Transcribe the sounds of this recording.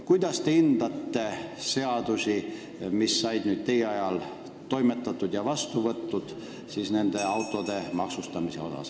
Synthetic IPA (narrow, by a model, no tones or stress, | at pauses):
kujd̪̥ɑst̪eind̪̥ɑt̪ːe̞se̞ɑd̪̥usʲi | misːɑjd̪̥nyːd̪̥̚t̪e̞jeɑjɑl | t̪o̞jmet̪ːˑɑt̪ːˑud̪̥jɑvɑst̪uvɤt̪ːud̪̥ | siːsne̞nd̪̥eɑwt̪ːˑo̞d̪e̞mɑksust̪ɑmise̞̰o̞̰sɑ̰s